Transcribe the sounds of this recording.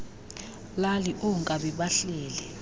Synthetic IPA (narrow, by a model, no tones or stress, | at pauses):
laliʔuŋkʼaɓiɓaɬɛːlɛ